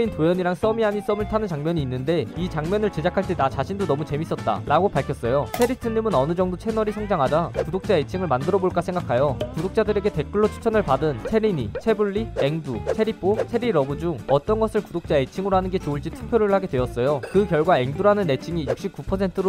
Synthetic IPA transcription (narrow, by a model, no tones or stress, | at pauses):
intojʌɲiɾaŋs͈ʌmiaɲis͈ʌmɯɭtʰanɯnt͡ɕaŋmjʌɲiːnːɯndeit͡ɕaŋmjʌnɯɭt͡ɕe̞d͡ʑakʰaɭt͈e̞tat͡ɕaɕʰindonʌmut͡ɕe̞mis͈ʌt̚t͈a̰ɾaɡopaɭkʰjʌs͈ʌjosʰe̞ɾitʰɯɲimɯnʌnɯd͡ʑʌŋdot͡ɕʰenʌɾisʰaŋd͡ʑaŋɦad͡ʑakudok̚t͡ɕ͈aet͡ɕʰiŋɯɭmandɯɾʌboɭk͈asʰeŋɡakʰajokudok̚t͡ɕ͈adɯɾe̞ɡe̞te̞k͈ɯɭːot͡ɕʰu̥t͡ɕʰʌnɯɭpadɯnt͡ɕʰe̞ɾiɲit͡ɕʰe̞buɭːie̞ŋdut͡ɕʰe̞ɾip͈ʰot͡ɕʰe̞ɾiɾʌbud͡ʑuŋʌt͈ʌnɡʌsʰɯɭkudok̚t͡ɕ͈aet͡ɕʰiŋɯɾoɦanɯnɡe̞t͡ɕouɭt͡ɕ͈itʰɯ̥k̚pʰjoɾɯɭɦaɡe̞dwe̞ʌs͈ʌjokɯkjʌɭɡwae̞ŋduɾɦanɯnːe̞t͡ɕʰiŋijuk̚ɕ͈ip̚k͈upʰʌsʰe̞ntʰɯɾo